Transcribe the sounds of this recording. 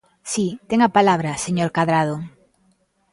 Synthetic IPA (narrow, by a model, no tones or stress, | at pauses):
sit̪eŋapalaβɾaseɲoɾkaðɾað̞o